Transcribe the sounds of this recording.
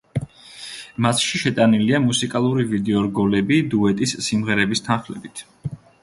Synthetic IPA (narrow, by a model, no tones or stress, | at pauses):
masʃiʃɛt̪ʼaniliamusikʼalˠuɾivid̪ɛɔɾɡɔlɛbid̪uɛt̪ʼisːimʁɛɾɛbist̪ʰanχlɛbit̪ʰ